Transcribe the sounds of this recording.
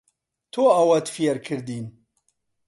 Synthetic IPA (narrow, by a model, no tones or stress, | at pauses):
t̪ʰoːawɐt̪fijɛɾkʰɨɾd̪iːn